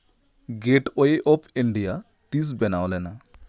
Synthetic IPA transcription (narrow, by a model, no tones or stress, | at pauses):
ɡeʈoeʔɔpʰiɳɖija | t̪is̬bɛnawlena